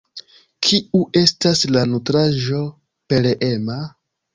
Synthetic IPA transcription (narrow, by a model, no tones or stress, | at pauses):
kʰiuʔe̞staslanutɾaʒo̞ | pe̞leʔema